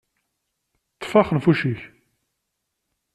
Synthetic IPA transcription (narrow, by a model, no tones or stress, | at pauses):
tt͡sːfɑχənfuʃiç